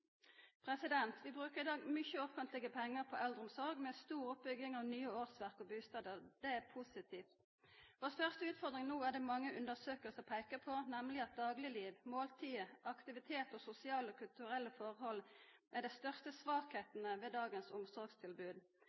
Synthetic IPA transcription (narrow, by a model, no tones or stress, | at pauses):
pʰʁɛsɪd̪ɛnt̪ʰʋɪbʁʉːkəʁɪd̪ɑːɡmʏçəɔfənt̪lɪɡəpʰɛŋːəʁpʰɔʔɛld̪ʁɔmsɔʁɡmɛst̪uːʁʊp̚bʏɡɪŋɑʋnyːəoːʁsʋæʁkɔbʉːst̪ɑːd̪əʁd̪̥ɛæʁpʰusɪt̪ʰiːft̪ | ʋɔʁsfœʁst̪əʉːt̪fɔʁd̪ʁɪŋnuːæʁd̪ɛmɑŋːəʔʉnd̪əʁsøːkəlsɔpʰæɪkəpʰɔnɛmlɪɑt̪̚d̪ɑːɡlɪliːʋmoːlt̪ʰiːəʔɑkt̪ɪʋɪt̪ʰeːt̪ɔsʊsɪɑːləɔːkʰʉlt̪ʉʁɛlːəfɔʁhɔlːʔɛd̪ɛɪst̪œʁst̪əsʋɑːkheːt̪nəʋɛd̪ɑːɡənsʊmsɔʁɡst̪ʰɪlbʉːd̪